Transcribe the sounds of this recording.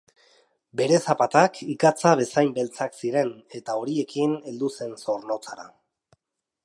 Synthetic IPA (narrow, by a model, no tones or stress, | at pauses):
be̞ɾe̞sapat̪akikat͡saβe̞sajmbe̞lt͡saksiɾe̞ne̞t̪ao̞ɾie̞kine̞ld̪use̞nso̞ɾno̞t͡saɾa̰